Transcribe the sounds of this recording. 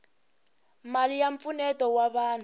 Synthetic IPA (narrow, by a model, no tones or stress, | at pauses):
malijaɱp̪funɛtɔwaβaːn̤